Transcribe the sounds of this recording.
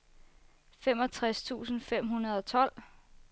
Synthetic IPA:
femɒ̽t͡sʰʁast͡sʰṵːsn̩fem̰ɦunɐð̞ˠɒ̽t͡sʰɒ̽l̰

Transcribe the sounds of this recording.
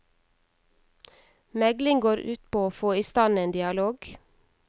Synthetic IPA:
mɛɡlɪŋɡoːɾʔʉːt̪pʰoːoːfoːiːst̪ɑneːnd̪ɪɑloːɡ

